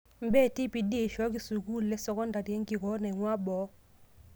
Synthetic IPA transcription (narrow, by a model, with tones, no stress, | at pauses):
m˦be˦˨ti˦pi˨de˦˨ʃɔ˦ki˦su˨ku˦lɛ˦sɔ˨kɔ˦nda˨ti˨ɛ˦ŋɡi˨kɔ˦nɛ˨ŋwa˦bɔ˨˦